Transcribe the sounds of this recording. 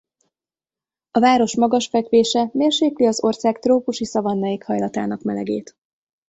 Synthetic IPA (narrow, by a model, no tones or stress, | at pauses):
ɒvaːɾo̞ʃmɒɡɒʃfɛkʋeːʃɛmeːrʃeːkliɒzo̞rsaːkt̪roːpuʃisɒvɒnːɒjikhɒjlɒt̪a̰ːnɒkmɛlɛ̰ɡḛːt̪